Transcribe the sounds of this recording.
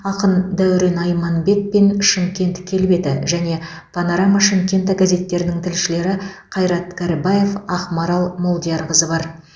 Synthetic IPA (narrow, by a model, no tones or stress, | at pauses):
ɑqənd̪æwɾe̞nɑjmɑnbe̞k̚pe̞nʃɪŋkʲe̞nt̪kʲʰe̞lbe̞d̪ɪʒæne̞ | pʰɑnoɾamaʃɪŋkʲe̞nt̪aɡaze̞t̪ːe̞ɾɪnɪŋt̪ʰɪlʃɪle̞ɾɪqʰɑjɾɑt̪kʰaɾɪbaje̞fɑχmɑɾɑlˠmolˠd̪ijɑɾʁəzəbɑɾ